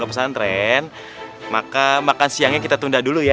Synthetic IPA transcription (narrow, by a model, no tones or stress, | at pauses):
ɡapəsant̪ɾɛn | makamakansiaŋɲakit̪at̪undahduluja